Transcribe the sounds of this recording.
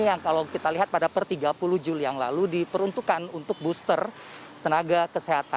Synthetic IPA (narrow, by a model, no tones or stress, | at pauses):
jaŋkalawkit̪aliɦat̪̚padapərt̪iɡapuluhd͡ʒulijaŋla̰ludipəɾunt̪ukanunt̪ʊk̚bust̪ər | t̪ənaɡakəseɦat̪a